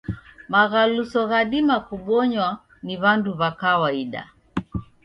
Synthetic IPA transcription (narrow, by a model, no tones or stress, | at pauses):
maɣalusɔɣaɗimakuɓɔɲwa | niβanduβakawaiɗa̰